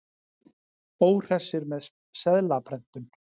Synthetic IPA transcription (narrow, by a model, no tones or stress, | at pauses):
oːwr̥ɛ̥sɪɾmɛðs | sɛðlapʰɾɛn̥t̪ʏn